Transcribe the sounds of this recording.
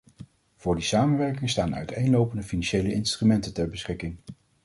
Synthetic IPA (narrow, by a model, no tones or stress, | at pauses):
v̥ʊːɹdisaːmənʋɛɹkɪŋstaːnœ̰ɥtejnlowpəndəfinɑnʃejləɪnstrymɛntətɛɹbəsχɪkɪŋ